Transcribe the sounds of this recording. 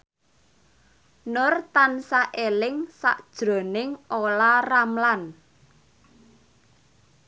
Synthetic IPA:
nʊrt̪ansaʔelɪŋsa̰ʔd̥ʒ̥ɾo̤nɪŋolaramlan

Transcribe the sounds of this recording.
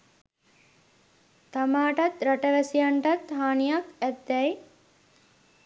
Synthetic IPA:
t̪amaːʈɐt̪ɾaʈəʋæsijɐɳʈɐt̪ɦaːnijɐkæt̪ːɛj

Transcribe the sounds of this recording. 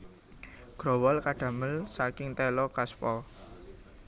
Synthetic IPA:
ɡ̥ɾɔwɔlkaɖ̥a̤məlsakɪŋt̪ɛlɔkaspɔ

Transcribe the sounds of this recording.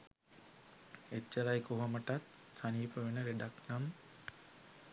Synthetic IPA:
et͡ʃːəɾajkoɦoməʈat̪ | saniːpəʋenəɾeɖaknam

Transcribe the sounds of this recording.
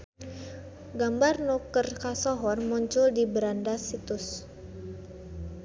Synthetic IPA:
ɡambarnukərkasɔɦɔnmuɲt͡ʃʊldibəɾandasit̪ʊs

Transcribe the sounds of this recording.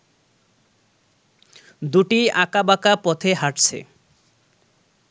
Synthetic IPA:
d̪uʈiakabakapɔt̪ʰeɦaʈt͡ɕʰḛ

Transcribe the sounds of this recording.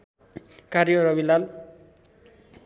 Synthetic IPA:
kaɾjʌɾʌbilal

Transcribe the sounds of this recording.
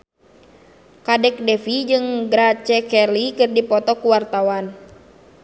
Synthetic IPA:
kadɛk̚dɛfid͡ʒɨŋɡɾat͡ʃɛkɛlikɨrdipɔt̪ɔkuwart̪awan

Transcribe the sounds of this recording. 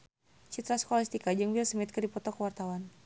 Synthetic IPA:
t͡ʃit̪ɾaskoalist̪ikad͡ʒɨŋbiasəmit̪̚kədipɔt̪ɔkəwart̪awan

